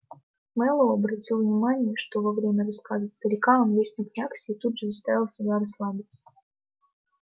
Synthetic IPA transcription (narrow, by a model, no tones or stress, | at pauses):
mɛlˠəɐbɾɐtʲilˠvnʲɪmanʲɪjəʂt̪o̞vɐvɾʲemʲərɐskazəst̪əɾʲɪkaonvʲesʲnʲʊknʲaksʲɪːt̪ud̪ʐɨzɐst̪avʲɪlˠsʲɪbʲaɾɐslˠabʲɪt̪sʲə̥